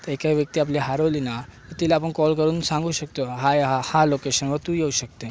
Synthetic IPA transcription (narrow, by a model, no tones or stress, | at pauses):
t̪ekaʋjək̚t̪iap̬liɦaɾolinak̪et̪ilaapəɳkɔlkəɾũːnsãŋɡʱuʃək̚t̪oɦajhalokeʃənʋət̪ũjeuʃək̚t̪e